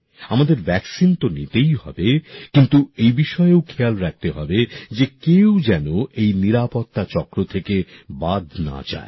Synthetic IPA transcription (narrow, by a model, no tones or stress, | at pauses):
amad̪eɾbʱɛksint̪onit̪ejɦɔ̰bekint̪uejbiʃɔewkʰealɾak̚t̪eɦɔbed͡ʑekewd͡ʑɛnoʔejniɾapot̪ːat͡ɕɔkɾot̪ʰekebad̪ʱna̰d͡ʑa̰e